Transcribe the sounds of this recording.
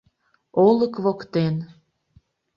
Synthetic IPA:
oləkβokt̪en

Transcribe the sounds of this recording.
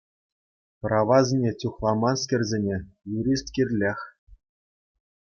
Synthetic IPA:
prɑʋɑzʲnʲet͡sʲuχlˠɑmɑnskʲĕrʲzʲenʲejuɾʲist̪kʲirʲlʲexʲ

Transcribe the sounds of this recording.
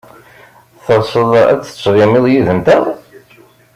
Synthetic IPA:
θəɾˤsˤəðˤæ̰t͡sːə̥t͡sːɾˤɪmɪðˤjiðəmt̪æðˤ

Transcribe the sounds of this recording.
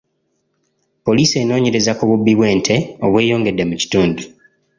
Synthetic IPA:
po̞liːse̞ːno̞ːɲe̞ɾezakuβubːiβwe̞ːntʰe̞o̞βwe̞ːjo̞ːŋɡe̞dːe̞muci̥tuːndu

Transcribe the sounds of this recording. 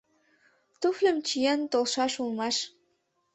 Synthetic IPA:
t̪uflʲə̆mt͡ɕijent̪olˠʃɑʃulˠmɑʃ

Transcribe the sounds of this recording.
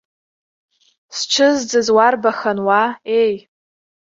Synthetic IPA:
st͡ʃʷʰɨzd͡zɨzwarbaxanwae̞j

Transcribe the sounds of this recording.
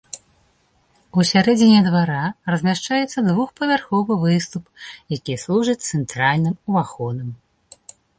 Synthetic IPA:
usʲaɾɛd͡zʲinʲɛd̪vaɾarɐzʲmʲaʂt͡ʂajɛt̪sːɐd̪vuxpɐvʲarxɔvɨvɨst̪upjakʲislˠuʐɨt͡sʲt̪sɛnt̪ɾalʲnɨmuvaxɔnɨm

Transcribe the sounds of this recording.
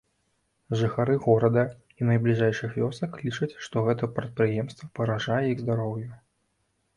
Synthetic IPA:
ʐɨxaɾɨɣɔɾɐd̪ɐ | inɐjblʲiʐɛjʂɨxvʲɔsɐkːlʲit͡ʂɐt͡sʲʂt̪ɔɣɛt̪ɐpɾɐt̪̚pɾɨjɛmst̪vɐpɐɾaʐajɛiɣzd̪aɾɔwjɐ

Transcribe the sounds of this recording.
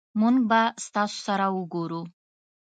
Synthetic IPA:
muŋɡ̚bast̪ɑso̥saɾawəɡoɾu

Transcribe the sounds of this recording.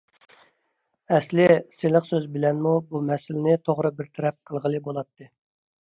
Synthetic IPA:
ɛslɪseləqsøzbɪlɛnmubumɛsɪlɪnɪt̪ʰoʁɾɨbɪɾt̪ʰɛɾɛp̚qʰəlˠʁəlˠɨbolˠɑt̪ʰːɨ

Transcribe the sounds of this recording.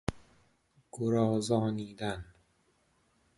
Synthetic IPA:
ɡ̥oɾɒːzɒːniːd̪æn

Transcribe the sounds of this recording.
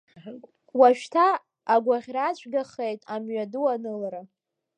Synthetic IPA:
waʃtʰaː | ɡʷaʁʲrat͡ɕʷʰʼɡaχejtʼamɥaduanɨlaɾa

